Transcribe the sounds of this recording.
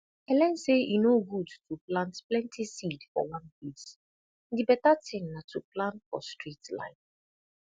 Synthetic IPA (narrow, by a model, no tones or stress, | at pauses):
ɛlɛ̃nsejinoɡudtuplãntplɛ̃ntʰisidfɔ̰wãnpis | dibɛtatʰɪ̃ŋnatuplãntfɔ̰stɹitlã̰ɪ̃n